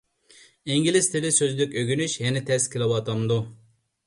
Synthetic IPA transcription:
iŋɡʲilɪzt̪ʰɪlɪsøzlɪkʲøɡʲynyʃjɛnɪt̪ʰɛskʲʰɪlˠɪwɑt̪ʰɑmd̪u

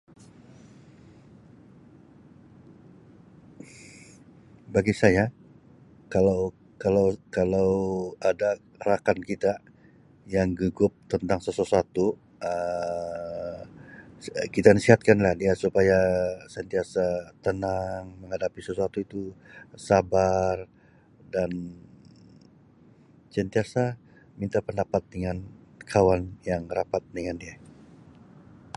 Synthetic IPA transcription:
baɡisaja | kalaw | kalawkalawada | ɾakankit̪a | jaŋɡəɡʊp̚t̪ənt̪aŋsəsəsuat̪u | ə | kit̪anisiɦat̪̚kanlahdiasupajasənt̪iasat̪ənaŋməŋɦadapisəsuat̪uit̪usabar | dan | sənt̪iasa | mint̪apəndapat̪̚dəŋankʰawanjaŋrapat̪̚dəŋandia

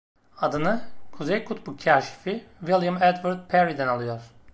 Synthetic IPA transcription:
ad̪ɯnɯkʰuzejkʰut̪bukʲʰːaːʃi̥fivilˠjamɛd̪vaɾd̪̚pʰɛɾid̪ɛnalˠɯjo̞ɾ̥

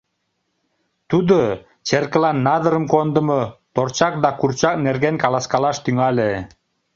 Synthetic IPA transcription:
t̪ud̪o | t͡ɕerkə̆lɑnːɑd̪ə̆ɾə̆mkond̪ə̆mɤt̪ort͡ɕɑk̚d̪ɑkurt͡ɕɑk̚nerɣenkɑlˠɑskɑlɑʃt̪yŋɑlʲe

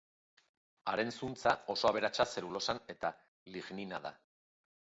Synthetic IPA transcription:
aɾe̞nsunt͡sao̞so̞aβ̞e̞ɾat͡ʃase̞ɾulo̞sane̞t̪a | liɣninaða̰

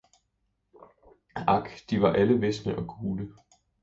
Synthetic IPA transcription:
ɑ̈ɡ̥d̥iʋɑ̈ʔæləʋesnəʔɒ̽ɡ̥ʰuːlə

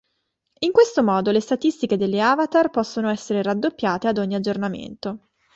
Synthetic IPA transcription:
iŋkwest̪omɔːd̪olest̪at̪ist̪iked̪elːeaːvat̪arpɔsːonoɛsːeɾeɾad̪ːopːjaːt̪ead̪oɲːiad͡ʒːornamḛnt̪o

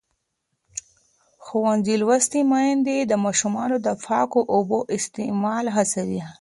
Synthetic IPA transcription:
xowanzilwast̪imajand̪ed̪əmɑʃumɑnod̪əfɑkoʔoboʔɪst̪emɑlɦasawi

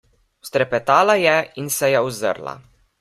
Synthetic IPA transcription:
st̪ɾɛpɛt̪aːlajɛinsɛjɛuzə̰ɾla̰

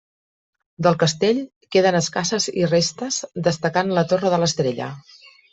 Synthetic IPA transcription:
d̪əlˠkəst̪eʎ | keðənəskasəzirest̪əzd̪əst̪əkanlət̪orəðələst̪ɾeʎə̰

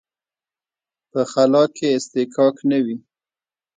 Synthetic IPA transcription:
pəxalɑkeɪst̪ɪkʰɑknəwi

